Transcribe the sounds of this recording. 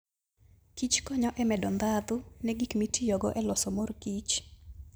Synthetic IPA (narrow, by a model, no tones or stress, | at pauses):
kit͡ʃkɔɲɔʔɛmɛdɔnd̪ad̪ʊnɛɡikmitijɔɡɔ̰ʔɛlɔsɔmorkit͡ʃ